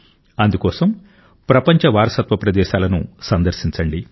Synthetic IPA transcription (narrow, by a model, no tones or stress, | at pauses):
ɐnd̪ukɔːsɐm | pɾɐpɐɲt͡ʃɐʋaːɾɐsɐt̪ʋɐpɾɐd̪ɛːʃaːlɐnṵsɐnd̪ɐɾsiɲt͡ʃɐɳɖi